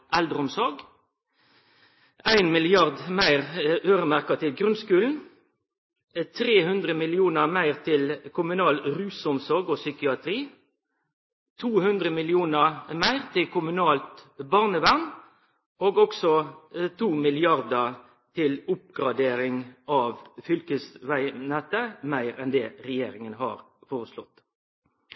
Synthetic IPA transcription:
ʔæld̪ʁəʊmsɔɾɡ | æɪnmɪlɪɑʁd̪mæɪʁøːʁəmæʁkɑt̪ʰɪlɡʁʉnskʉːln̩ | t̪ʰʁeːhʉnd̪ʁəmɪlɪuːnəmæɪʁt̪ʰɪlkʰʊmʉnɑːlɾʉːsʊmsɔʁɡoːsʏkɪɑt̪ʰʁiː | t̪ʰuːhʉnd̪ʁəmɪlɪuːnəmæɪʁt̪ʰɪlkʰʊmʉnɑːlt̪bɑʁnəʋæʁn | oːɡɔksɔt̪ʰuːmɪlɪɑʁd̪ə | t̪ʰɪlʊp̚ɡʁɑd̪eːɾɪŋɑːʋfʏlkəsʋæɪnɛt̪ːəmæɪʁɛnd̪ɛːɾɛjḛːɾɪŋənɦɑ̰ːɾ | foːʁəslɔt̪ː

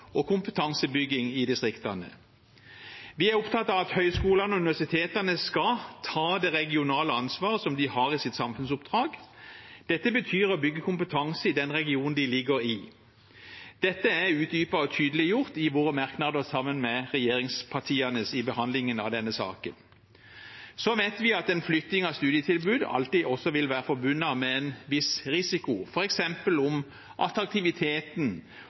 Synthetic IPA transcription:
ɔkʰʊmpət̪ʰɑŋsəbʏɡɪŋɪd̪ɪst̪ʁɪkt̪ɑnə̰ | ʋɪæɾʊpt̪ʰɑt̪ːɑʋɑt̪hœʏskuːlɑnʉnɪʋæʁsɪt̪ʰeːt̪ənəskɑt̪ʰɑːd̪ɛʁɛɡɪʊnɑːləɑnsʋɑːʁəsɔmd̪ɪhɑɾɪsɪt̪sɑmfʉnsʊpd̪ʁɑːɡd̪̥ɛt̪ːəbət̪ʰyːɾɔbʏɡːəkʰʊmpət̪ʰɑŋsəɪd̪ɛnʁɛɡɪuːnn̩d̪ɪlɪɡəɾɪ | d̪̥ɛt̪ːəæʉːt̪̚d̪yːpɑɔt̪ʰyːd̪əlɪjʊʁt̪ɪʋoːʁəmɑʁknɑd̪əʁsɑmːənmɛʁɛjeːɾɪŋspʰɑʈʰiːɑnəsɪbəhɑnd̪lɪŋənɑ̰ʋd̪ɛnːəsɑ̰ːkən | sɔʋeːt̪ʋɪɑt̪ɛnflʏt̪nɪŋɑst̪ʉːd̪ɪət̪ʰɪlbʉːd̪ɑ̰lt̪iːɔsːɔʋɪlʋæːɾəfɔʁbʉnːɑmɛɛnʋɪsʁɪsɪkʊfɔɾɛksɛmpəlʊm | ʔɑ̰t̪ɾɑk̚t̪ɪʋɪt̪ʰeːt̪n̩

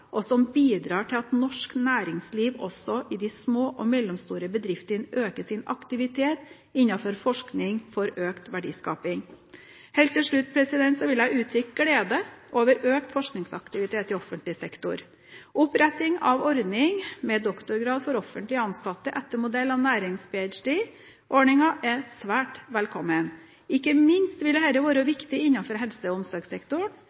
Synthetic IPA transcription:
ʔɔsɔmbiːd̪ɾɑːʈʰɪlɑt̪nɔʂknæːɾɪŋsliːʋɔ̰sɔʔɪd̪ɪsmoːʔɔmɛlːɔmst̪uːɾəbəd̪ɾɪft̪ənʔøːkəʂɪnɑ̰kt̪ɪʋɪt̪ʰeːt̪ | ɪnːɑfɔɾfɔʂknɪŋfɔɾøːkt̪ʋæɖḭːskɑ̰ːpɪŋ | hɛːlt̪ːɪlʂɭʉt̪̚ːpʰɾɛsɪd̪ɛnt̪sɔʋɪlæɪʉːt̪ʰɾʏkɡɽeːd̪əʔoːʋəɾʔøːkt̪fɔʂknɪŋsɑ̰kt̪ɪʋɪt̪ʰeːt̪ːɪlɔfənt̪lɪsɛkt̪ʊ̰ɾ | ʔʊpɾɛt̪ɪŋɑʋɔɾd̪nɪŋmɛd̪ɔkt̪ʊɾɡɾɑːd̪fɔɾɔfənt̪lɪɑnsɑt̪ːəʔɛt̪ːəmʊd̪ɛlːɑʋnæːɾɪŋspʰeːæt͡ʃɖeː | ʔɔɳɪŋɑʔɛsʋæːʈʋɛlkʰɔmːən | ɪkːəmɪnst̪ʋɪld̪ɛɦɛlːəʋɑːɾəʋɪkt̪ɪɪnːɑfɔɾɦɛlsəɔʊmsɔɾɡsɛkt̪ʊɳ

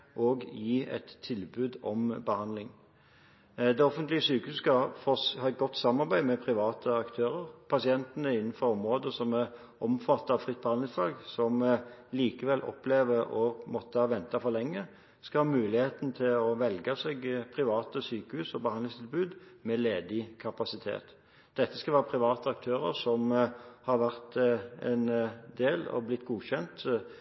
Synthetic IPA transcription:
ʔoːɡjiːɛ̰t̪ʰːɪlbʉːd̪ɔmbəhɑnd̪lɪŋ | d̪ɛɔfənt̪lɪəsyːkəhʉːsskɑfɔhɑɛt̪̚ɡɔt̪ːsɑmːɑʁbæɪmɛpʰʁɪʋɑːt̪ʰəɑkt̪ʰøːʁəʁpʰɑsɪɛnt̪ənəɪnnn̩fɔɾɔmʁoːd̪əsɔmæʁ | ʔɔmfɑt̪ːɑʋfʁɪt̪̚ːbəhɑnlɪŋsflɑːɡsɔmliːkəʋɛlʔɔ̰pleːʋəʁɔmɔt̪ːəhɑːʋɛnt̪ɑfɔʁlɛŋːə | skɑlhɑːmʉːlɪheːt̪nt̪ʰɪlɔʋɛlɡəseːɡpʰʁɪʋɑːt̪əsyːkəhʉːsɔbəhɑnd̪lɪst̪ʰɪlbʉːd̪mɛleːd̪ɪkʰɑpɑsɪt̪ʰḛːt̪ | d̪̥ɛt̪ːəskɑlʋæːʁəpʰʁɪʋɑːt̪əɑk̚t̪ʰøːʁə̰ʁsɔmhɑʁʋæʁt̪ɛ̰nd̪eːlɑ̰ʋblɪt̪ːɡuːçɛnt̪

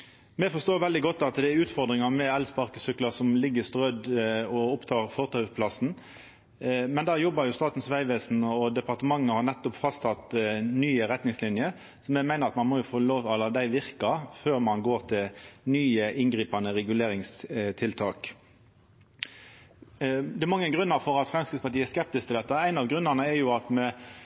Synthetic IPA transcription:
mɛfɔst̪oːʋɛld̪ɪɡɔt̪ːɑt̪d̪ɛæʉːt̪fɔʁd̪ʁɪŋɑmɛɛlspɑʁkəsʏklɑsɔmlɪɡːəst̪ʁœd̪ɔʊpt̪ʰɑːʁfɔʁt̪ʰœpʰlɑsn̩ | mɛnd̪ɑːjɔbːɑɾjʊst̪ɑːt̪n̩sʋæɪʋeːsnɔd̪ɛpɑʁt̪əmɑŋːəhɑʁnɛt̪ːɔpfɑst̪ʰɑt̪nyːəɾɛt̪nɪŋslɪnjə | sɔmɛmæɪnəʁɑt̪mɑnmɔjʊfoːloːʋɑlːəd̪æɪʋɪʁkɑføːʁmɑnɡoːʁt̪ʰɪlnyːəʔɪnɡɾʁiːpɑnəʁɛɡʉleːʁɪŋst̪ʰɪlt̪ʰɑːk | d̪ɛmɑŋːəɡʁʉnːəɾfɔɾɑt̪fʁɛmskɪt̪spɑɾʈ̪iːæskɛp̚t̪ɪskt̪ɪld̪ɛt̪ːəæɪnɑʋɡʁʉnɑʁnəɛɾjʊɑt̪mɛ

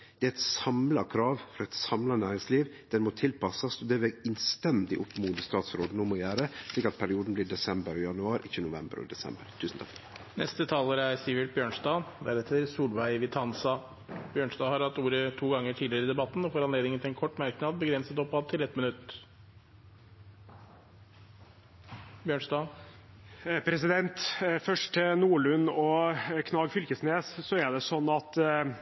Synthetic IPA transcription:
d̪̥ɛːææɪt̪sɑmlɑkʰɾɑːʋfɾɔɛɪt̪sɑmlɑnæːɾɪŋsliːʋd̪̥ɛnmɔt̪ʰɪlpɑsɑsɔd̪ɛʋɛɪnst̪ɛnd̪ɪʔʊpːmuːd̪əst̪ɑːt̪sɾoːd̪ənoːmɔɪjæːɾəʂliːkɑt̪pʰæɾɪuːd̪n̩bliːd̪ɛsɛmbəɾjɑnʉɑːɾʔɪçːənʊʋɛmbəɾɔ̰d̪ɛsɛ̰mbəɾt̪ʰʉːsn̩t̪ʰɑ̥kt̪ | nɛ̰st̪ət̪ʰɑːləɾæɾsiːʋɪʈ̚bjøːɳsd̪ɑːd̪ɛæɾɛt̪ʰːəɾsuːlʋæɪʋɪt̪ʰɑnsɑ | bjøːɳsd̪ɑːhɑɾhɑt̪ːuːɾət̪ʰuːɡɑŋːəʈʰiːd̪lɪɾɪd̪ɛbɑt̪ːn̩ɔfɔɾɑnleːd̪nɪŋənʰɪlɛnkʰɔʈːmæɾknɑːd̪̚bəɡɾɛnsət̪ɔpːɑd̪̚t̪ʰɪlɛt̪mɪnʉt̪ː | bjøːɳʂd̪ɑː | pʰɾɛsɪd̪ɛnt̪fœʂʈɪnuːɭʉnːɔkʰnɑːɡfʏlkəsneːssɔæd̪ɛsɔnːɑt̪

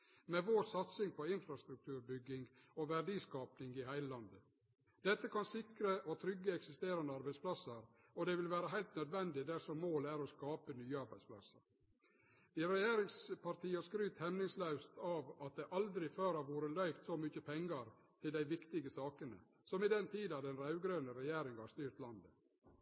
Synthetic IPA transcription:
mɛʋoːsɑt̪sɪŋpʰɔɪnfɾɑst̪ɾʉk̚t̪ʰʉːɾbʏɡːɪŋɡɔʋæɖiːskɑːpnɪŋɪhæɪləlɑnd̪ə | d̪ɛt̪ːəkʰɑnsɪkɾəʔɔt̪ʰɾʏɡːəɛksɪst̪eːɾɑnd̪əɑɾbæɪspʰlɑsəɾ | ɔd̪ɛʋɪlʋæːɾəɦæɪlt̪nœd̪ʋɛnd̪ɪd̪æɾsɔmːoːlæːɾɔskɑːpənyːəɑɾbæɪspʰlɑ̰sə̰ɾ | d̪̥ɪɾɛjeːɾɪŋspʰɑɾt̪ʰiːɑskɾʉːt̪hɛmnɪŋslœʉst̪ʰɑʋɑt̪̚d̪ɛʔɑld̪ɾɪføːɾɑʋuːɾəlœʏft̪sɔmʏçəpʰɛŋɡɑɾ | t̪ʰɪld̪æɪʋɪkt̪ɪɡəsɑːkənə̰ | sɔmɪd̪ɛnt̪ʰiːd̪ɑd̪ɛnɾɑʉɡɾøːnəɾɛjeːɾɪŋhɑɾst̪yːɾt̪lɑnd̪ə

